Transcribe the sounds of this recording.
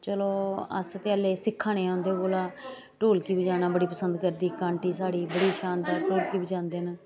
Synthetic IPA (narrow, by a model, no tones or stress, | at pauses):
t͡ʃəloːə̰st̪eəːleːsɪkʰːaːneːãːnd̪eːkoːlaː | ʈoːlkiːbid͡ʒaːnãːbəɽiːpəsənd̪kəɾd̪iːkaːɳʈiːsaːɽiːbəɽiːʃãːnd̪aːʈoːlkiːbid͡ʒãːnd̪eːnaː